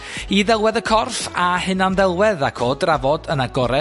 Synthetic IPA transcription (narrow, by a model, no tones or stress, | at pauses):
iðɛlˠwɛðəkʰɔrfahɨnanðɛlˠwɛðakʰoːdravɔdənaɡɔɾɛ